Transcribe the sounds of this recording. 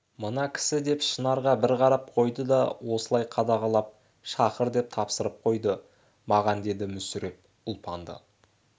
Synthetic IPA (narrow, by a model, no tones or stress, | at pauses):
mənɑkʲʰɪ̥sɪd̪e̞pʃənɑɾʁɑbɪɾqʰɑɾɑp̚qʰo̞jd̪əd̪ɑwo̞səlˠɑjqʰɑd̪ɑʁɑlˠɑp̚ | ʃɑqəɾd̪e̞p̚t̪ʰɑpsəɾəp̚qʰo̞jd̪ə | mɑʁɑnd̪e̞d̪ɪmʏsʏɾe̞p̚ | ʊlˠpʰɑnd̪ə̰